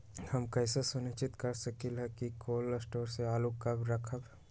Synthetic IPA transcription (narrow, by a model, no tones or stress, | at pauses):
hɐmkɛːsesʊnɪt͡ʃɪt̪kɐɾsɐkilɦɛkikoːləsʈoːɾseaːlokːabɾɐkʰəb